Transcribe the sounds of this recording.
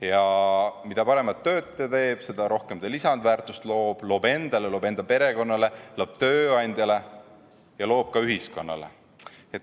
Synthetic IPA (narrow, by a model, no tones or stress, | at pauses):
jɑmid̪̥ɑpɑɾe̞mɑt̪ːø̞ːt̪ːˑet̪e̞ːb̥se̞d̪̥ɑɾo̞hke̞md̪elisɑnd̪væːrt̪ˑust̪lo̞ːb̥lo̞ːbe̞nd̪̥ɑlelo̞ːbe̞nd̪̥ɑpe̞ɾe̞ko̞nːɑle̞lo̞ːb̥̚t̪ø̞ːɑnʲd̪̥ʲjɑle̞ | jɑlo̞ːb̥̚kɑyɦisko̞nːɑ̰lḛ | et̪